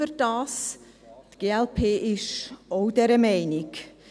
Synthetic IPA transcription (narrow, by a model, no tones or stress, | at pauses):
ərd̥ɑːs | tɡ̥eːɛlpʰeːʔɪʃoʊdɛɾəmɛɪnɪk